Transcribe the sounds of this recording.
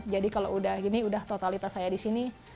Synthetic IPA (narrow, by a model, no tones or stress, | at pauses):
d͡ʒadikalo̰udahiniudaht̪ot̪alit̪asajadisini